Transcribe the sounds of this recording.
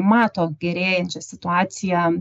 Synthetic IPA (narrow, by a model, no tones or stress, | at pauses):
mɑːt̪oːɡʲɛɾʲeːjɛnʲt͡ʃʲɛsʲɪt̪ʊɑːt̪sʲɪjɛ